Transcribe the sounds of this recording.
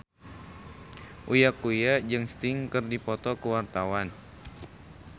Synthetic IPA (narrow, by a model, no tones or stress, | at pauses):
ʔujakujad͡ʒɨŋst̪ɪŋkɨrdipɔt̪ɔkəwart̪awan